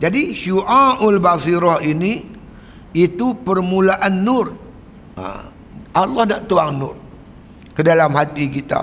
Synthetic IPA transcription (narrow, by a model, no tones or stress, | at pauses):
d͡ʒadiʃuʔaʊlbasiɾɔhinĩ | it̪upərmũlaʔanːʊr | a̰ | ʔalːɔhnaʔt̪uaŋnʊ̰r | kədalamɦat̪ikit̪a̰